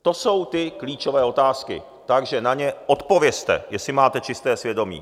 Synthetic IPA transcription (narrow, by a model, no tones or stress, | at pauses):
t̪o̞so̞wt̪ɪkliːt͡ʃo̞vɛːo̞t̪aːskɪ̰ | t̪aɡʒɛnaɲɛʔo̞t̪po̞vjɛst̪ɛ̰jɛsɪmaːt̪ɛt͡ʃɪst̪ɛːsvjɛdo̞mḭː